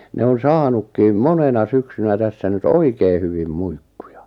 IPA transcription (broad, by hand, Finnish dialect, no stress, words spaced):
ne on sɑːnukːiːm monenɑ syksynæ tæsːæ nyt oikei hyʋim muikːu̥jɑ̥